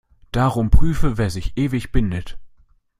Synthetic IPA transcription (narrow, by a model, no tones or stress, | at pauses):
d̥aːʁʊmpʁ̥yːfəveːɐzɪçʔeːvɪçb̥ɪndət